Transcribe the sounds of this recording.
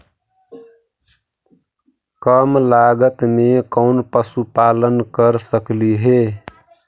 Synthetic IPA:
kəmlaɡət̪mekəʊnpəsupalənkəɾsəkliɦe

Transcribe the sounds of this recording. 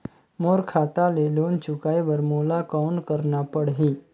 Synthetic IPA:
moɾkʰat̪alelont͡ɕukajʋəɾmolakaunkəɾɳapəɽɦi

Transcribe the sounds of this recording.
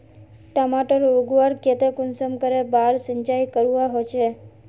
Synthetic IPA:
ʈəmaʈəɾoɡʋaɾket̪ekʊnsəmkəɾebaɾsəɲt͡ʃajkəɾuʋaɦot͡ʃʰe

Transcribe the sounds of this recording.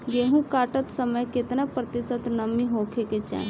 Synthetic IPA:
ɡeːɦũkaːʈət̪səməjkɪt̪napɾət̪ɪsət̪nəmĩɦõːkʰeket͡ʃã̰ː

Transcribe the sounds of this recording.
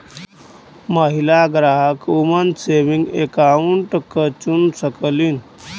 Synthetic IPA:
məɦilaɡɾaɦəkumənseʋiŋɡḛkauɳʈəkːət͡ɕunsəkəlin

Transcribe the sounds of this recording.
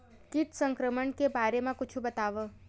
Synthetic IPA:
kiʈsəŋkɾəməɳkebaɾemãkʊt͡ʃʰũbət̪aʋə

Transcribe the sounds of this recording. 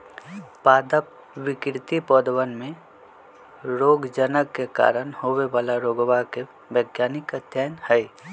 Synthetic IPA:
paːd̪əp̚ | ʋɪkɾt̪ipɔːd̪əwənmẽ | ɾoːɡd͡ʒənəkːeka̰ːɾənhoːweʋaːlaɾoːɡwake | ʋəɡjaːnɪkəd̪ʱjaːjnhɛ

